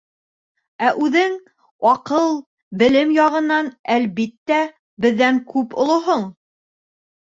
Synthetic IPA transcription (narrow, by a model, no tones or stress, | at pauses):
æʔʉðɘŋ | ɒqɤlˠ | bɘ̆lɘmjɑʁɤ̆nːɑnælβit̪ːæ | bɘ̆ðːæŋkʉpŏlˠŏɦoɴ